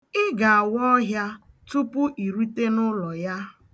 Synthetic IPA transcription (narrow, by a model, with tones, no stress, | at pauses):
ɪ˦ɡa˨a˨wɔ˦ɦja˦ | tu˦pʊ˦ʔi˨ɾi˦te˦nʊ˦lɔ˨ja˦